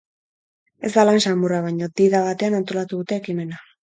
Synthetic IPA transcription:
e̞zd̪alansamuraβ̞aɲod̪iðaβat̪e̞anant̪o̞lat̪uðut̪e̞ːkime̞na

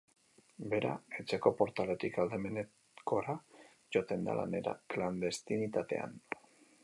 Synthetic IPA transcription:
be̞ɾae̞t͡se̞ko̞po̞ɾt̪ale̞t̪ikald̪e̞me̞ne | ko̞ɾa | ʝo̞t̪e̞nd̪a̰la̰ne̞ɾa̰kland̪e̞st̪init̪at̪e̞̰a̰n

